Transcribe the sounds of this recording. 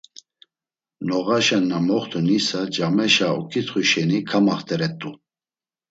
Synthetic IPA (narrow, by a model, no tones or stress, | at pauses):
nɔɣaʃɛnːamɔχt̪ʰunisad͡ʒamɛʃaṵkʰit̪χuʃɛnikʰamaχt̪ʰʼɛɾɛt̪ʼu